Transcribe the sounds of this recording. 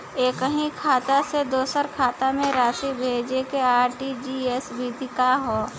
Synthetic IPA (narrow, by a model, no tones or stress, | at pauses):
eːkəɦĩkʰaːt̪ased̪oːsəɾkʰaːt̪amẽɾaːʃibʱeːd͡ʒekeaːɾʈid͡ʒiːesbʱiːd̪ʱɪkaɦoː